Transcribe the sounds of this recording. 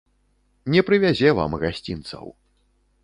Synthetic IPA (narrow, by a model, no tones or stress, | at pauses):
nʲɛpɾɨvʲazʲɛva̰mɣasʲt͡sʲint̪sɐ̰w